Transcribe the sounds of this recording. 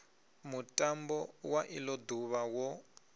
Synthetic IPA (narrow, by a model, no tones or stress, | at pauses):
mutʼambɔwaʔilɔduβawɔ